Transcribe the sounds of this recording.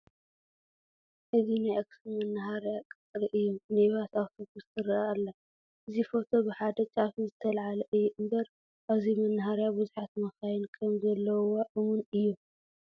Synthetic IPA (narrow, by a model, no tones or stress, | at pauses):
ʔɨzinajʔaksimɐnːɨɦaɾjakʼɨt̪ʼɾiʔɨjːumneβat̪awt̪ʰobust̪ʰɨɾɐalːa | ʔɨzifo̞t̪ʰo̞bɨħad̪ɐt͡ʃʼafizɨt̪ʰɐlʕalɐʔɨjːɛʔɨmbɐɾ | ʔaβzimɐnːɨɦaɾjabɨzuħat̪mɐxajɪnkʰɐmzɐlːɐwoʔɨmunɨjːu